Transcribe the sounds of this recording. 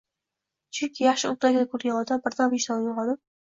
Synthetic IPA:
t͡ʃʰʊŋkʲʰɪjɑχʃɪʊp̚t̪aɡʲɪd̪akʰɵɾɡʲaɒd̪abɪɾd̪amɪʃd̪anjoʁɑd̪ɪm

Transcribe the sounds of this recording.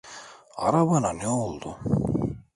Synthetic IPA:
a̰ɾaβananɛɔlˠd̪ṵ

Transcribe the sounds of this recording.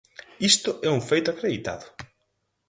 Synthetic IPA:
ist̪ʊʔɛuŋfejt̪ʊakɾeðit̪a̰ðʊ

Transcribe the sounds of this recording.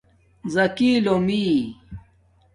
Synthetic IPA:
zɐkiːlomiː

